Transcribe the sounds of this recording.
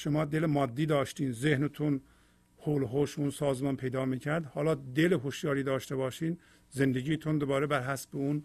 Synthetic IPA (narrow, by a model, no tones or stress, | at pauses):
ʃomɒːd̪elemɒːd̪ːiːd̪ɒːʃt̪iːnzehnet̪ʰun | holɦoʃunsɒːzmɒːnpʰejd̪ɒːmiːcʰæɾd̪hɒːlɒːd̪eleɦoʃjɒːɾiːd̪ɒːʃt̪ebɒːʃiːn | zend̪eɟʲiːt̪ʰund̪obɒːɾebæɾɦæsbeun